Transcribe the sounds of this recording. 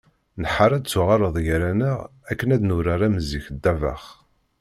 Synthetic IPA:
nəħaɾˤæd̪t͡sːʊʁɑɾˤəðˤjɾænəʁækːənæðnʊɾaɾæməziçd̪ːæva̰χ

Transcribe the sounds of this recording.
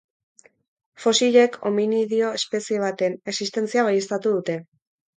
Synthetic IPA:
fo̞siʎe̞kʰo̞̰miniðio̞espe̞sie̞β̞at̪e̞ne̞ksist̪e̞nt͡siaβ̞ajest̪at̪uðut̪e̞

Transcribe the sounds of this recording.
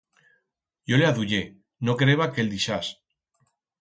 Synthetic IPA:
ɟ͡ʝo̞leaðuʝe | nokeɾeβakeld̪iʃas

